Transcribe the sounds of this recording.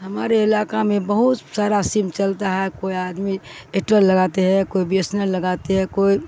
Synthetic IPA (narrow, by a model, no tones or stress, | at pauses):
ɦɐmaːɾeɪlaːkamẽbəɦut̪saːɾasimt͡ʃəlt̪aɦɛkoːiaːd̪mieʈɾəlːəɡat̪eɦɛ̃koibesnəɾləɡaːt̪eɦɛ̃koːi